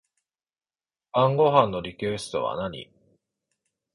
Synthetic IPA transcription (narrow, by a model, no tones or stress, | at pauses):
b̥ãŋɡo̞ɦãnːo̞ɾʲikesɨ̥t̪o̞̰βa̰naɲ̟ḭ